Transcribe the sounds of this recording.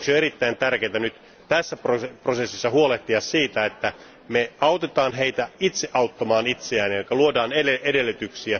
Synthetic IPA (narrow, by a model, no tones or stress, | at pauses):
ksioeɾit̪ːæint̪ærkeːt̪ænyt̪ | t̪æsːæproprosesːisːɑhuoleht̪iɑssiːt̪æet̪ːæ | meɑut̪et̪ɑːnɦeit̪æit̪seʔɑut̪ːɑmɑːnit̪seæːnijɑikːɑluodɑːneeʔedelːyt̪yksiæ